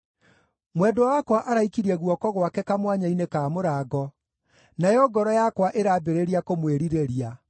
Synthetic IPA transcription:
mwɛdowakwaʔaɾaikiɾiɛɣwɔkɔɣwakɛkamwaɲainekaːmoɾaːɡɔ | najɔɡɔɾɔjakwaʔeɾaːbeɾeɾiakomweɾiɾeɾia

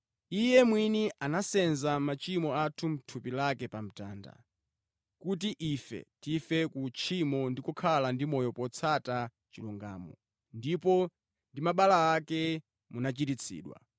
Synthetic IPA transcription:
ijɛmwiniʔanasɛnzamat͡ʃimɔatʰum̩tʰupilakɛpam̩ta̰ːnda̰ | kut̬iʔifɛ̰tifɛkut͡ʃʰimɔndikukʰalandimɔjɔpɔt͡sʰata | t͡ʃiluŋɡa̰ːmɔ̰ | ndipɔ | ndimaɓalaakɛ | munat͡ʃitit͡sʰḭːɗwa̰

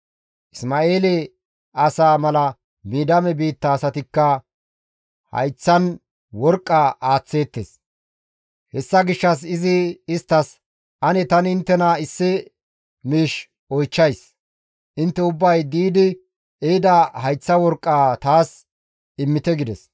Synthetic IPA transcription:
ʔɪsmaːe̞ːlɛ | ɐsaːmɐlɐ | miːd̪ɐmɛbiːt̪ːɐːsɐt̪ɪkːɐ | hɐ̰jt͡sːɐn | wɔɾkʼːaʔaːt͡sːe̞ːt̪ːḛs | hɛsːɐɡɪʃːɐs̬ɪzɪːst̪ːɐs | ʔɐnɛt̪ɐnɪɪnt̪ːɛnɐɪsːɪ | miːʃ | ɔjt͡ʃːɐjs | ʔɪnt̪ːɛʊbːɐjd̪iːd̪ɪ | ed̪ɐhɐjt͡sːɐwɔɾkʼːaːt̪aːs | ɪmːɪt̪ɛɡɪd̪ɛs

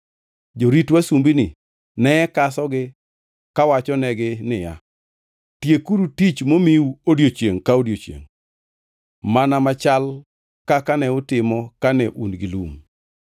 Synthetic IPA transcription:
d͡ʒoɾitwasumbinɪ | nɛɛkasɔɡɪ | kawat͡ʃɔnɛɡɪnɪja | tjekuɾutit͡ʃmomiuodjot͡ʃjeŋkaodjot͡ʃjḛŋ | manamat͡ʃal | kakanɛʊtɪmɔkanɛʔunɡɪlum

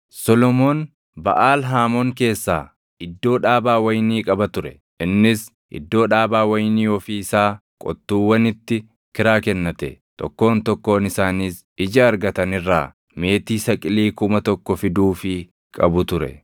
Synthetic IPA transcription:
sɔlɔmo̞ːn | bɐ̰ʔaːlɦaːmoːŋke̞ːsːa̰ː | ɪd̪ːo̞ːᶑaːbaːwɐjniːkʼɐbɐt̪ʊɾɛ | ɪnːɪs | ʔɪ̰d̪ːo̞ːᶑaːbaːwɐjniːɔfiːɪsaː | kʼɔ̰t̪ːuːwːɐnɪt̪ːɪ | kɪɾaːkɛnːɐt̪ɛ̰t̪ʼɔ̰kːo̞ːnt̪ɔkːo̞ːnɪsaːniːs | ɪd͡ʒɐːɾɡɐt̪ɐnɪrːaː | me̞ːt̪iːsɐkʼɪliːkʊmɐt̪ɔkːɔfɪd̪uːfɪ | kʼɐ̰bʊt̪ʊɾɛ̰

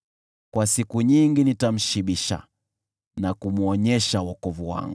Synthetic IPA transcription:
kwasikuɲiŋɡinitam̩ʃiɓiʃa̰ | nakum̩ɔɲɛʃawɔkɔvuwa̰ŋɡuu

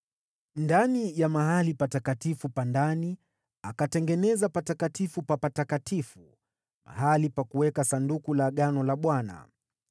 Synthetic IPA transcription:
ndanijamaɦalipatakatifupandani | akatɛŋɡɛnɛzapatakatifupapatakatifu | ma̰ɦalipakuwɛkasandukulaɠanɔlaɓwana̰

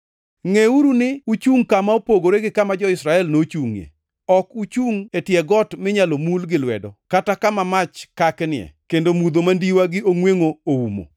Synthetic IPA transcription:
ŋeuɾunɪut͡ʃuŋkamaopoɡoɾeɡɪkamad͡ʒɔɪsɾaɛlnot͡ʃuŋjḛ | ɔkut͡ʃuŋetjɛɡɔtmɪɲalomulɡɪlwɛ̰dɔkatakamamat͡ʃkaknɪɛ̰kendomud̪omandiwaɡɪoŋweŋooumo̰

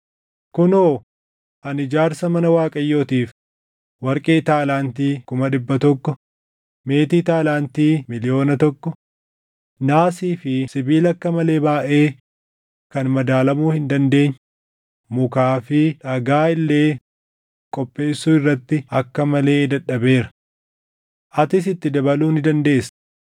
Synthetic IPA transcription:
kʊnoː | ɐnɪd͡ʒaːɾsɐmɐnɐwaːkʼɐjːo̞ːt̪iːf | wɐɾkʼeːt̪aːlaːnt̪iːkʊmɐᶑɪbːɐt̪ɔkːɔ | me̞ːt̪iːt̪aːlaːnt̪iːmɪlɪjo̞ːnɐt̪ɔkːɔ | naːsiːfɪsɪbiːlɐkːɐmɐle̞ːbaːʔeː | kɐnmɐd̪aːlɐmuːhɪnd̪ɐnd̪e̞ːɲː | mʊkaːfɪᶑɐɡaːɪlːe̞ː | kʼɔpʼːe̞ːsːuːɪrːɐt̪ːɪɐkːɐmɐle̞ːd̪ɐᶑɐbe̞ːɾɐ̥ | ʔɐt̪ɪsɪt̪ːɪd̪ɐbɐluːnɪd̪ɐnd̪e̞ːs

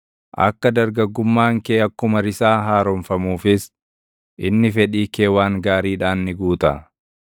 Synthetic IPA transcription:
ʔɐ̰kːɐd̪ɐɾɡɐɡːʊmːaːŋkeːɐkːʊmɐɾɪsaːɦaːɾɔmfɐmuːfɪs | ʔɪnːɪfɛᶑiːkeːwaːŋɡaːɾiːᶑaːnːɪɡuːt̪ɐ̰

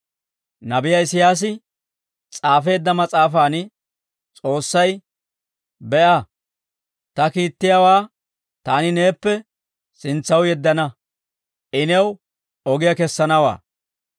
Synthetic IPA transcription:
nɐbɪjɐɪsɪjaːs̬ɪ | t͡sʼaːfe̞ːd̪ːɐmɐt͡sʼaːfaːn | t͡sʼo̞ːsːɐj | bɛʔɐ | t̪ɐkiːt̪ːɪjawaː | t̪aːnɪne̞ːpːɛ | sɪnt͡sːɐwjɛd̪ːɐnɐ | ʔɪnɛw | ɔɡɪjɐkɛsːɐnɐwa̰ː

